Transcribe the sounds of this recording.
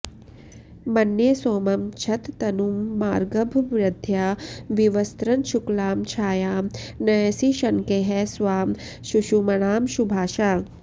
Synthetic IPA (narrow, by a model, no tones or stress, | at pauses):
mɐnːjesoːmɐmt͡ʃʰɐt̪ːɐnumːaːɾɡɐbʱʋɾɪd̪ʱjaːʋiʋɐst̪ɾɐnʃuklaːmt͡ʃʰaːjaːmnɐjɐsiʃɐnkeɦɛsʋaːm | ʃuʃumɐɽ̃aːmʃubʱaːʃaː